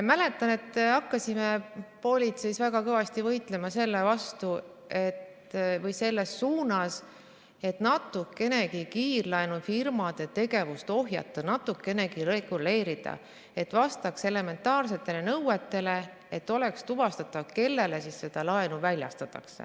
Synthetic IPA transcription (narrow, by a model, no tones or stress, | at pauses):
mæle̞t̪ːˑɑne̞t̪ːɑkːɑsime̞po̞lʲit̪se̞jsvæɡɑkɤvɑst̪ivɤjt̪ˑle̞mɑse̞lːe̞vɑst̪u | e̞t̪ː | vɤjse̞lːe̞sːuːnɑs | e̞t̪nɑt̪ːˑukːe̞ne̞kikiːrlɑenufirmɑd̪̥e̞t̪e̞ɡe̞vust̪o̞ɦjɑ̰t̪ˑːɑnɑt̪ːˑukːˑe̞ne̞kiɾe̞ɡ̥ule̞ːɾid̪̥ɑ̰ | e̞t̪ːvɑst̪ɑkse̞le̞me̞nt̪ːˑɑːrse̞t̪ːˑe̞le̞nɤwe̞t̪ːe̞le̞ | et̪ːo̞le̞kst̪uvɑst̪ɑt̪ːɑvke̞lːe̞le̞sisːe̞d̪̥ɑlɑenuvælʲjɑ̰st̪ɑt̪ːˑɑ̰ksḛ